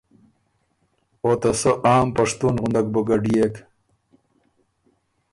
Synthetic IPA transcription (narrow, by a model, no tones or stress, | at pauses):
ot̪ɐsəʔaːmpɐʂt̪unɣund̪ak̚boɡɐɖijek